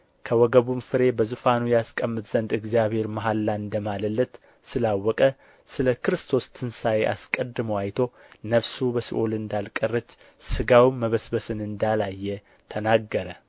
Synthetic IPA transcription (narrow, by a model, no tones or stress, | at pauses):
kʰəwɔɡəβumfɨɾe̞bəzufanujaskʼəmːɨt̪z̥ənd̪ɨɡzijaβhe̞ɾmaɦalːaɨnd̪əmaləlːət̪ | sɨlawːɔkʼə | sɨləkʰɨɾɨst̪ʰo̞st̪ʰɨnsajeʔa̰skʼəd̪ːɨməwajt̪ʰo̞nəβsubəsḭʔolɨnd̪alkʼərːət͡ʃː | sɨɡawmːəβəsbəsɨnɨnd̪alajːɛ | t̪ʰənaɡːəɾə